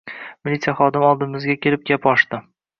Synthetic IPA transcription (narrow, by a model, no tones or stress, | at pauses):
mɪlʲit̪sɨjaχɒd̪ɪmɒlˠd̪ɪmɪzɡʲakʲʰe̞lɪp̚ɡʲapɒʃt̪ɪ